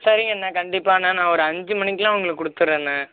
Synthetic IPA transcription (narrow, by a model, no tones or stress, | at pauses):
sɐɾɪŋɡɐnːaːkɐɳɖɪpːaːnːaːnãːɔɾɯɐɲd͡ʒɯmɐnɪkːlãːɐʋɐŋɡɐɭɯkːkːʊɽɯt̪ːɯɾeːnːɐ